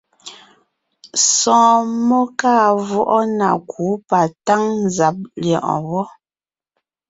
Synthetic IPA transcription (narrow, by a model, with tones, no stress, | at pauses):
sɔ̃ː˨mɔ˦kaː˦˨vɔ˦ʔɔ˦na̰˨kʰu˨˦pa˨ta˦ŋn˨za˨p̚ljɔ˨ʔɔ̰̃˨wɔ˦